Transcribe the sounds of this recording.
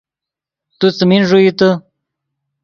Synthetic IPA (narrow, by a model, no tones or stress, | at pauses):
t̪ut͡səminʐuit̪ə